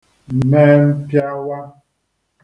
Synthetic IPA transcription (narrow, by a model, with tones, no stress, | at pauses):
mɛ˦m̩˦pja˦wa˦